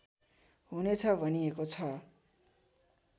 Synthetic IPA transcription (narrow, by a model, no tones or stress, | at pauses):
ɦunet͡sʰʌbʱʌniekot͡sʰʌ